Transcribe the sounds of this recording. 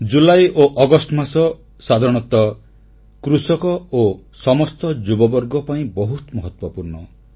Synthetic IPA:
d͡ʒulajoʔɔɡɔsʈmasɔ | sad̪ʱaɾɔɽ̃ɔt̪ɔ | kɾusɔkɔosɔmɔst̪ɔd͡ʒubɔbɔɾɡɔpaĩbɔɦut̪mɔɦɔt̪wɔpuɾɳɔ

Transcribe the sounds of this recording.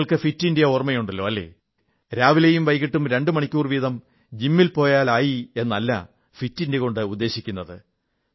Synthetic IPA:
ɭkɨfitːindijɐormɐjuɳɖɐlːo̞ːɐlːe̞̰ː | ɾaːʋilejumʋɐjkiʈːumɾe̞ɳɖɨmɐɳikʲːuːrʋiːðɐm | d͡ʑimːilpo̞ːjaːlaːjie̞nːɐlːa̰ | fitːindeko̞ɳɖɨud̪ːe̞ːɕikʲːunːɐðɨ

